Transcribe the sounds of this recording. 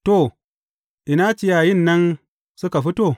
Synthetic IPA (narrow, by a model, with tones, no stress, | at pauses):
to˨ | ʔi˨na˦t͡ʃi˦ja˨ji˦˨nːɐ˦n | su˦ka˨ɸi˦to˦˨